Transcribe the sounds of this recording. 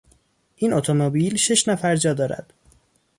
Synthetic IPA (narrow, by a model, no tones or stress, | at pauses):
ʔiːnʔot̪ʰomobiːlʃeʃnæfæɾd͡ʒɒːd̪ɒːɾæ̰d̪̥